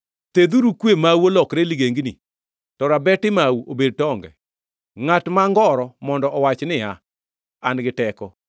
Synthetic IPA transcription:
t̪ed̪uɾukwemawolɔkɾeliɡeŋɡnḭ | tɔɾabɛtɪmawuʔobed̚tɔŋɡɛ̰ | ŋatmaŋɡɔɾɔmɔndɔʔɔwat͡ʃnɪa | anɡɪtɛkɔ

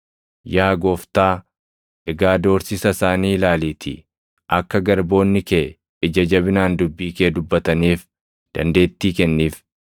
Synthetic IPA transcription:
jaːɡoːft̪aː | ʔɛɡaːd̪o̞ːɾsɪsɐsaːniːlaːliːt̪ʰɪ̰ | ʔɐkːɐɡɐɾbo̞ːnːɪkeː | ɪd͡ʒɐd͡ʒɐβɪnaːnd̪ʊbːiːkeːd̪ʊbːɐt̪ɐniːf | d̪̥ɐ̰nd̪e̞ːt̪ːiːkɛnːiːf

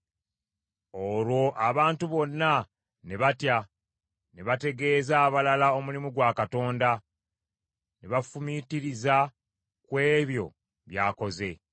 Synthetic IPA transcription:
o̞lwo̞ʔaβaːntuβo̞nːa | ne̞βatja | neβate̞ɡe̞ːzaːβalalao̞mulimuɡwaːkato̞ːnda | neβafumitiɾiza | kwe̞ːβjo̞̰ | βjaːko̞ze̞

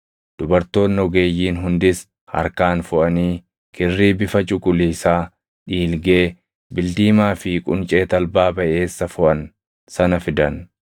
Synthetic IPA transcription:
d̪̥ʊbɐɾt̪o̞ːnːɔɡe̞ːjːiːnɦʊnd̪ɪs | hɐ̰ɾkaːnfʊʔɐniː | kʰɪrːiːbɪfɐt͡ʃʼʊkʼʊliːsaː | ᶑiːlɡe̞ː | bɪld̪iːmaːfɪkʼʊnt͡ʃʼe̞ːt̪ɐlbaːbɐʔe̞ːsːɐfʊʔɐn | sɐnɐfɪd̪ɐn

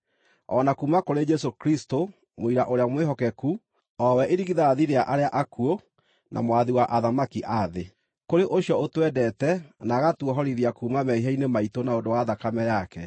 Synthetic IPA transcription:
ɔnakumakoɾed͡ʒɛsokɾisto | moiɾaʔoɾeamweɦɔkɛku | ɔwɛʔeɾiɣiðaːðiɾeaʔaɾeaʔakuo | nʔa̰mowaðiwaʔaðamakiʔaðe | koɾeʔoɕjɔotwɛdɛtɛnaːɣatwɔɦɔɾiðiakuːmamɛiɦainemaitonaondowaðakamɛjakɛ

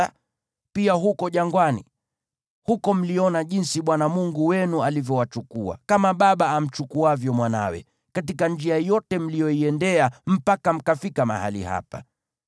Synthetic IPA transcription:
piaɦukɔʄaŋɡwani | hukɔm̩liɔnaʄinsiɓwanamuŋɡuwɛnualivjɔwat͡ʃukua̰kamaɓaɓaːm̩t͡ʃukuavjɔmwana̰wɛ̰ | katikand͡ʒiajɔtɛm̩lijɔiɛndɛam̩pakam̩kafikama̰ha̰lḭha̰pa

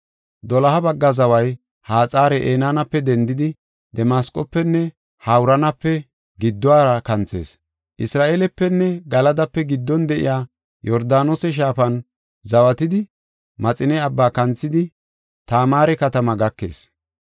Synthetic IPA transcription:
d̪ɔlɐhɐbɐɡːɐzɐwɐj | haːt͡sʼaːɾɛʔeːnaːnɐpːɛd̪ɛnd̪ɪd̪ɪ | d̪ɛmaːskʼɔpːɛnːɛ | hawʊɾɐnɐpːɛ | ɡɪd̪ːɔwaːɾɐkɐnt͡se̞̰ːs | ʔɪsɾaːʔeːlɛpːɛnːɛɡɐlɐd̪ɐpːɛɡɪd̪ːɔnd̪ɛʔɪ̰jaː | jɔɾd̪aːnoːsɛʃ̬aːfɐn | zɐwɐt̪ɪd̪ɪ | mɐt͡sʼɪnɛɐbːaːkɐnt͡sːɪd̪ɪ | t̪aːmaːɾɛkɐt̪ɐmɐɡɐkːe̞̰ːs

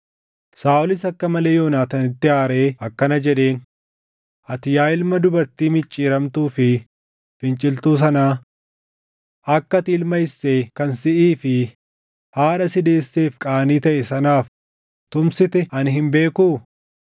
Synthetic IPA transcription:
saːʔʊlɪsɐkːɐmɐle̞ːjo̞ːnaːt̪ɐnɪt̪ːɪaːɾe̞ːɐkːɐnɐd͡ʒɛᶑe̞ːn | ʔɐt̪ɪjaːɪlmɐd̪ʊbɐɾt̪iːmɪt͡ʃʼːiːɾɐmt̪uːfɪ | fɪnt͡ʃʼɪlt̪uːs̬ɐnaː | ɐkːɐt̪ɪɪlmɐɪsːeːkɐnsɪʔiːfɪ | haːᶑɐsɪd̪e̞ːsːe̞ːfkʼaːniːt̪ɐʔɛsɐnaːf | t̪ʊmsɪt̪ɛɐnɦɪmbe̞ːkuː

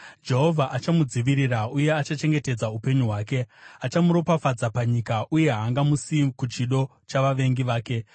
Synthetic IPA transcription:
d͡ʒe̞ɦo̞vʱaʔat͡ʃamud͡ziʋiɾirauje̞at͡ʃat͡ʃe̞ŋɡe̞te̞d͡zaupe̞ɲuɦwaːke̞at͡ʃamuɾo̞pafad͡zapaɲikaʔuje̞ɦaːŋɡamusikut͡ʃiɗo̞ | t͡ʃaʋaʋe̞ŋɡiʋaːke̞

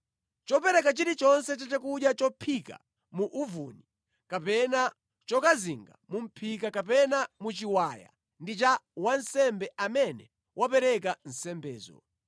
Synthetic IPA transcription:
t͡ʃɔpɛɾɛkat͡ʃiɾit͡ʃɔnsɛt̬atɛkuɗjat͡ʃɔpʰika̰ | muʔuvuni | kapɛna | t͡ʃɔkaziŋɡa̰mum̩pʰikakap̬ɛnamut͡ʃiwaja̰ | ndit͡ʃawansɛmbɛamɛnɛ | wʔapɛɾɛk̬an̩sɛmbɛ̰ːzɔ̰

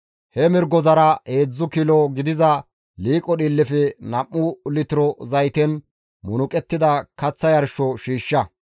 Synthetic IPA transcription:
hɛmɪɾɡɔzɐɾɐeːd͡zːʊkɪlɔɡɪd̪ɪzɐ | liːkʼɔɗilːɪfɛnɐʔːʊlɪt̪ɪɾɔzɐjt̪ɛn | mʊnʊkʼɛt̪ːɪd̪ɐkɐt͡sːɐjɐɾʃɔʃiːʃːɐ

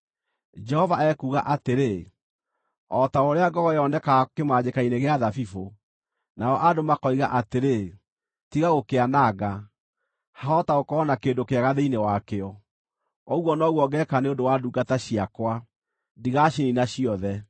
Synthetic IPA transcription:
d͡ʒɛhɔvaɛkuːɣa̰ʔateɾe | ɔtaoɾeaɡɔɣɔjɔnɛkakemaːɲekaineɣeaðafifo | naɔʔadomakɔiɣa̰ʔateɾe | tiɣaɣokeanaɡa | haɔtaɣokɔnakendokeaɣaðeinewakeɔ | ɔɣwɔnɔɣwɔɡɛkaneondowaduɡataɕiakwa | diɣaʃininaɕiɔðɛ

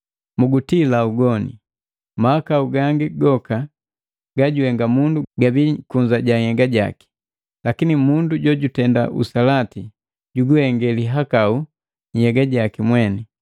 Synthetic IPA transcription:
muɡutilauɡɔnḭ | mahakauɡaŋɡiɡɔka | ɡaɟuhɛŋɡamunduɡabikuɲd͡ʒaɟaɲhɛɡaɟa̰ki̥ | lakinimunduɟɔɟutɛnda̰ʔṵsalati | ɟuɡuhɛŋɡɛliɦakau | ɲ̩hɛɡaɟakimwɛni

